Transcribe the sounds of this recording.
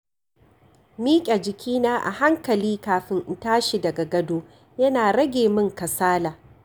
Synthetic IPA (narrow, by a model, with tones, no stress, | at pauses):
miː˦kʲʼa˨d͡ʒɪ˨kʲʰiː˦naː˦ʔa̰˨ha˦ŋkɐ˨liː˦kaː˨ɸɪ˦ŋʔtaː˦ʃi˨dɐ˨ɡa˨ɡɐ˦doː˦ | jɐ˦naː˨ɽɐ˦ɡʲeː˨mɪ˦ŋkɐ˨saː˦laː˨